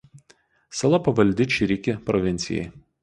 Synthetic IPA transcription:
sɐlˠɐpɐʋɐlʲd̪ʲɪt͡ʃʲɪɾʲɪkʲɪpɾɔʋʲɪnʲt̪sʲɪjɛ̰ɪ

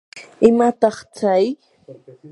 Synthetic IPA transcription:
ɪmat̪ɑχt͡saj

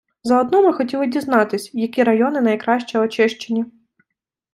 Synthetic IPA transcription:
zɐɔd̪nɔmɪxɔtʲilˠɪdʲiznɑt̪ɪsʲjɐkʲiɾɐjɔnɪnɐjkɾɑʃt͡ʃɛɔt͡ʃɪʃt͡ʃenʲi

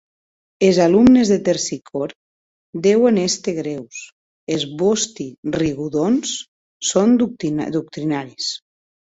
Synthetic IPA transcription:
ezalumnezðet̪eɾsikʰɔɾ | d̪ɛwenest̪eɣɾews | ezβost̪iriɣuðonsː | ond̪ut̪d̪uk̚t̪ɾinaɾis

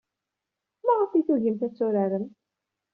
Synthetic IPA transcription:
mæʁəfiθuʝəmθæt͡sːʊɾaɾəm

